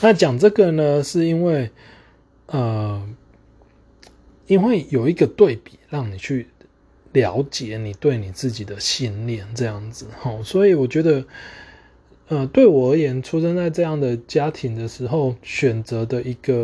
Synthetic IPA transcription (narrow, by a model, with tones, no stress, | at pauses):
na˥˨t͡ɕjɑ˨˩ŋʈ͡ʂɤ˥˨ɡə˨nə˨ʂɻ̩˥˩i˥nwe˥˩ɪ | ə˨˩ | i˥nwe˥˩ɪjo˨˩ʊi˧˦ɡə˨t̪we˥˩ɪpi˨˩˦ɻɑ˥˩ŋni˨˩t͡ɕʰy˥˩ | ljɑ˧˦ʊt͡ɕjɛ˨˩˦ni˨˩t̪we˥˩ɪni˨˩t͡sɹ̩˥˩t͡ɕi˨˩d̪ə˦ɕi˥˧nljɛ˥˨˩nʈ͡ʂɤ˥˧jɑ˥˩ŋd͡zɹ̩˨˩hɔ˥˧swɔ˧˥i˨wɔ˨˩t͡ɕɥɛ˧˥d̪ə˧ | ə˧t̪we˥˩ɪwɔ˨˩ə˧˥jɛ˧˦nʈ͡ʂʰu˥ʂə˥nt͡sa˥˧ɪʈ͡ʂɤ˥˧jɑ˥˩ŋd̪ə˩t͡ɕja˥t̪ʰi˨˦ŋd̪ə˨ʂɻ̩˧˥xo˥˨ʊɕɥɛ˨˩nt͡sə˧˦d̪ə˧ʔi˧˥ɡ̥ə˧